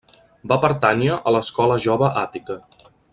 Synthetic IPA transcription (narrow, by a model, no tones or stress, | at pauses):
bapəɾt̪aniəʔələskɔləʒoβəʔat̪ikə